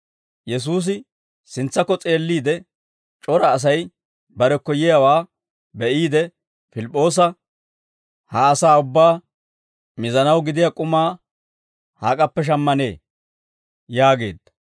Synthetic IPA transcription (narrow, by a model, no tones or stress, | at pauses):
jɛs̬uːs̬ɪ | sɪnt͡sːɐkːɔt͡sʼe̞ːlːiːd̪ɛ | t͡ʃʼɔɾɐːs̬ɐj | bɐɾɛkːɔjɪjawaː | bɛʔiːd̪ɛ | fɪlɪpʼːo̞ːs̬ɐ | hɐːsaːʊbːaː | mɪzɐnɐwɡɪd̪ɪjakʼʊmaː | haːkʼɐpːɛʃ̬ɐmːɐnḛː | jaːɡe̞̰ːd̪ːɐ̥